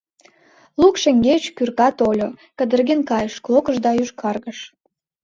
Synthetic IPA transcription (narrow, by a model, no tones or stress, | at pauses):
lukʃĕŋɡet͡ɕkyrkɑt̪olʲokəd̪ə̆rɣenkɑjəʃklokəʒd̪ɑyʃkʰɑrɣəʃ